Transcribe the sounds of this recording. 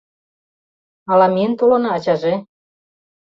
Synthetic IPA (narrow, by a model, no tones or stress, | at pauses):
ɑlɑmient̪olɤ̆nɑːt͡ɕɑʒe